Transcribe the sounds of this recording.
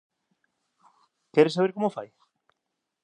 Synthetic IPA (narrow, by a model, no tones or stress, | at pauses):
kɛɾesaβeɾkomofaj